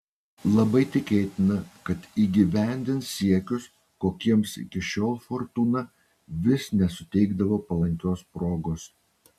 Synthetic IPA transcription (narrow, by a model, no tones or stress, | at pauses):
lˠɐbɐɪt̪ʲɪkʲeːt̪ʲɪnɐkɐt̪iːɡʲiʋʲæˑnʲd̪ʲɪnssʲiɛkʲʊs | koːkʲiɛmsɪ̰kʲɪʃʲoːlˠfoɾt̪uːnɐ | ʋʲɪsnʲɛsʊt̪ʲɛɪɡd̪ɐʋoːpɐlˠɐŋʲkʲoːspɾoːɡoːs